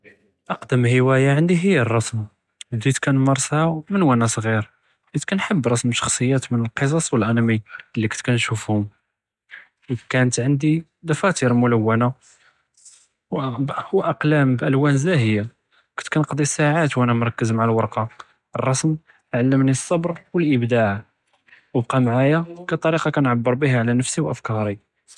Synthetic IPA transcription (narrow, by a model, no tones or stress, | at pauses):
ʔɑqd̪əmhəwæjaʕənd̪iɦəjːərˤːɑsm | d̪it̪kænmɑɾˤsˤɑmənwænæsˤɣiɾ | d̪it̪kænħəbːɾˤɑsmʃɑ̥xsˤəjːæt̪mənəlqəs̬ˤɑsˤwəlʔænæmilːikə̥t̪kænʃufhʊm | kænət̪ʕənd̪i | d̪ɑfæt̪iɾmʊləwːæna | wwʔɑqlæmbʔəlwænzæɦəjːa | kə̥t̪kænəqd̪ˤisaʕat̪wʔænæmɾˤɑkːəzmaʕalwɑɾˤqɑ | rˤːɑsm | ʕalːəmnisˤːɑbɾwəlʔəbd̪aʕ | wəb̚qɑmʕajakæt̪ˤːɑɾiqɑkænʕabːəɾbiɦaʕlænəfsiwʔəfkɑɾˤi